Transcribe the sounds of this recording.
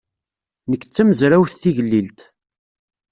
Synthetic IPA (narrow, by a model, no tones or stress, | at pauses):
nəkːt͡sːæməzɾæwθθiʝəlːilt̪